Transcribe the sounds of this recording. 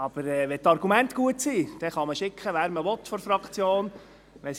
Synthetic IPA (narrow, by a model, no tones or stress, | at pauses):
ɑb̥əɾɛʋɛtɑɾɡ̥umæntɡ̥uətsiːd̥ɛχɑməʃɪkχəʋæːɾməʋɔt̪fɔɾfɾɑkχt͡sjoːn | ʋɛs